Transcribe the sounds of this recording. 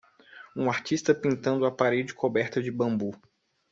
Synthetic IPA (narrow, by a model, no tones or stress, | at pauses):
ũaɾt͡ʃist̪ɐpĩnt̪ɐ̃nd̪ʊapaɾed͡ʒɪkʰobɛɾt̪ɐd͡ʒɪbɐ̃mbu